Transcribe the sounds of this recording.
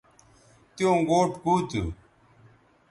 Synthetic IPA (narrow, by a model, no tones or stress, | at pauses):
t̪ɪjõːɡoːʈkuːt̪ṵ